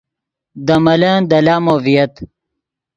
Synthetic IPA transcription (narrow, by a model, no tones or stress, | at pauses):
d̪ɐmɐland̪ɐlaːmovijɐt̪